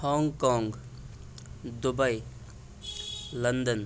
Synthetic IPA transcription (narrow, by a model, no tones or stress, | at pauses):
hɔːŋɡkɔːŋɡ | d̪ʊbəj | lənd̪ən